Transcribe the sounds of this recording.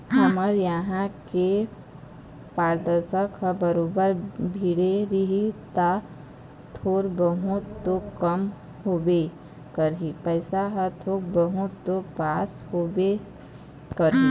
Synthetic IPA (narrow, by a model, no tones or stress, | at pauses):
ɦɐməɾjəɦãke | paːɾd̪əɾsəkɦəbəɾoːbəɾbʱiːɽeɾiɦit̪a | t̪ʰoːɾbəɦũt̪ːokəm | hoːbe | kəɾɦipəɪsaɦət̪ʰoːk̚bəɦʊt̪ːopaːshoːbe | kəɾi